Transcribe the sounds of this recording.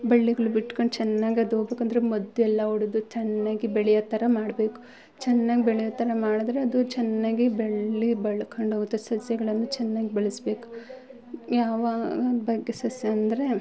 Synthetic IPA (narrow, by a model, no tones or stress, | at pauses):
bɐɭːiɡɐɭubiʈːkoɳɖt͡ʃɛnːaːɡiɐd̪oːɡbe̞ːkɐnd̪ɐɾemɐd̪ːuɛlːɐuɽud̪ut͡ʃɛnːaːɡibɛɭɛjɐt̪ːɐɾɐmaːɽbeːku̥ | t͡ʃɛnːaːɡibeɭɛjɐt̪ːɐɾɐmaːɽɐd̪ɾe̞ɐd̪ut͡ʃɛnːaːɡibeɭːibɐɭɐkʰɐɳɖɦoːɡut̪ːɐsɐsjɐɡɐɭɐnːut͡ʃɛnːaːɡibeɭisbe̞ːku̥ | jaːʋaːɡɐbɐɡːe̞sɐsjɐɐnd̪ɐɾe̞